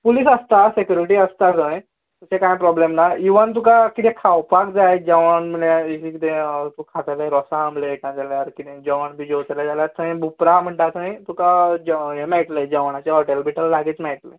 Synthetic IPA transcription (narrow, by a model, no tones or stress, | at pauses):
puliːsəst̪asekjuɾiʈiːəst̪akə̃j | t̪əsẽkãjpɾɔblemnaiʋənt̪ukakit̪ẽkʰawpakd͡zajd͡ʑəʋənm̤əɳaisikit̪ẽt̪ukʰat̪aleɾɔsãːmlekãd͡zaljaɾkit̪ẽd͡ʑɔʋəɳbʱiːd͡ʑot̪lad͡zaljat͡s̪ʰəĩbʱupɾam̤əɳʈat͡saĩt̪ukad͡ʑɦemɛiʈled͡ʑəʋɳ̃at͡ɕaɦɔʈelbiʈəlːaɡed͡ʑmɛiʈle